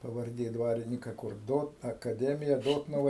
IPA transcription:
pɐʋɐrʲˈdʲeː ˈdʋɑːrʲɪnʲɪkɐ kʊr ˈdoːt ɐkɐˈdʲæːmʲɪjɛ ˈdoːtnʊʋɐ

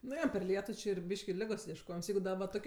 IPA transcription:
nʊ ˈjoː pʲɛr ˈlʲiɛtʊ ˈt͡ʃʲɪ ɪr ˈbʲiːʃʲkʲɪ ˈlʲɪɡoːs iɛʃˈkoːjɪms ˈjɛɪɡʊ ˈdɐ ʋɐ ˈtoːkʲiɛ

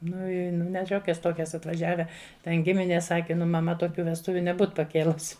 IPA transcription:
ˈnʊ ˈɪ nʲɛ ˈʃʲoːkʲɛs ˈtoːkʲɛs ɐtʋɐˈʒʲæːʋʲɛ ˈtʲɛn ˈɡʲɪmʲɪnʲeːs ˈsɑːkʲɛ ˈnʊ mɐˈmɐ toːˈkʲuː ʋʲɛsˈtʊʋʲʊ nʲɛˈbuːt pɐˈkʲeːlˠʊsʲ

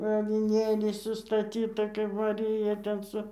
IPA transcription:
ɐʋʲɪˈnʲeːlʲɛɪ sʊstɐˈtʲiːtɐ kɐɪp mɐˈrʲɪjɛ tʲɛn ˈsʊ

